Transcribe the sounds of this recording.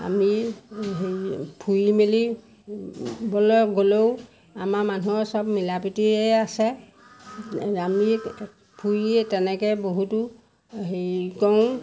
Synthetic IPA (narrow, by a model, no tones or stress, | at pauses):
a̰miɦepʰujmili | bɔlɔɡolow | amaman̤uɔsɔbmilapitiɛasɛ | ami | pʰujɛtɛnɛkɛboɦutu | ɦejkɔw̃